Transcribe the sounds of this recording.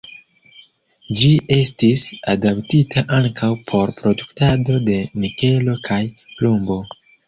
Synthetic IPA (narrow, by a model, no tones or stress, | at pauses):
d͡ʒiʔe̞stisadaptitʰaʔaŋkʰawpʰo̞ɾpɾo̞duktado̞de̞mike̞lo̞kʰaj | plumbo̞